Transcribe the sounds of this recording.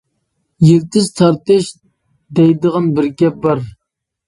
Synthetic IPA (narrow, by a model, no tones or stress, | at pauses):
jeɾt̪ɪzt̪ʰɑɾt̪ɨʃ | d̪ɛjd̪əʁɑnbɪɾɡʲɛbɑɾ